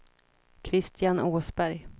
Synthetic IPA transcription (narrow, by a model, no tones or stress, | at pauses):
kʰɾɪst̪ʰɪjanʔoːsbæɾj